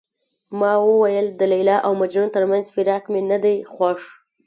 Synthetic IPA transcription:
mɑwəwajəld̪əlajlɑʔawmad͡ʒɾunt̪əɾmanzfɪɾɑkmenad̪ajxwaʂ

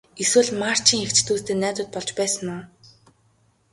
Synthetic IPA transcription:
eswɘ̆ɮmar̥t͡ɕiːŋxekt͡ɕt̪uːst̪eːnæːt̪ʊ̆ːt̪̚pɔɮt͡ɕpæːsə̆nʊː

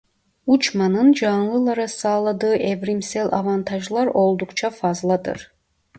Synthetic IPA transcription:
ut͡ʃmanɯnd͡ʒɑnlˠɯlˠɑɾasɑːlˠɑd̪ɯːʔebɾimselʲʔa̰vant̪ʰɑʒlˠɑɾo̞lˠd̪ukt͡ʃʰafɑzlˠɑd̪ɯ̰ɾ

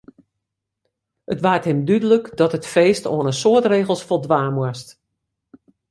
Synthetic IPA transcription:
ətʋaːrtɦɪmdydələkdɔtətfeːsto̰ənəsoətreːɣəlˠsfolˠdʋaːmwəst

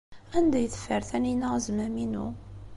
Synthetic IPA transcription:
ænd̪æjθə̥fːəɾθæninæzmæminṵ

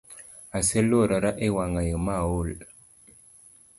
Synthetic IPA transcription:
aselːoɾaɾaʔewaŋajemawol

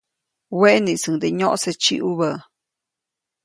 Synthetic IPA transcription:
weʔniʔsəŋd̪eɲoʔset͡ʃḭʔuβə

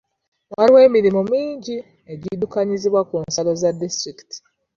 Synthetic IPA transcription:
waɾiwe̞ːmiɾimomiːɲɟi | e̞ɟidukaɲiziβwakuːnsalo̞zadːistɾiki̥ti̥

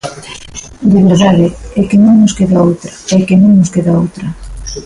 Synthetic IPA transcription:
d̪eβeɾðaðɪɛkɪnõŋnoskeðaowt̪ɾɐɛkenõŋnoskeðaowt̪ɾɐ

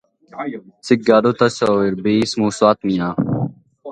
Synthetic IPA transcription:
sɪk̚ɡaːd̪ot̪ɐsoiɾbiːsmuːswaːt̪mijaː

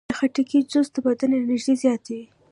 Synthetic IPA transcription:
əxaʈəkid͡ʒozd̪əbad̪anenɪʒd̪ezjɑt̪ewi

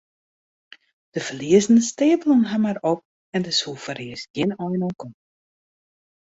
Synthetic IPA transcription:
d̥əfəliəzənəsteːbəlɔŋɦamaɾɔp̚ | ɛndəshufəɾiəsjɪnɔjnoːkɔm

